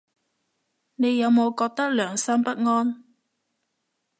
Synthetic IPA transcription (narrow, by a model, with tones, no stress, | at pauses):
ne˨˧jːɐ˨˧wmo˨˧wkɔː˧k̚t̪ɐ˥k̚lœː˨˩ŋsɐ˥mpɐ˥t̚ŋɔː˥n